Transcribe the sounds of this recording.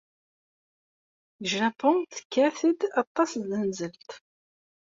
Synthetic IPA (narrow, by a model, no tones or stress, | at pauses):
əʒɾæpʊnθə̥kːaθid̪ɑt̪ˤːɑsðənzəlt̪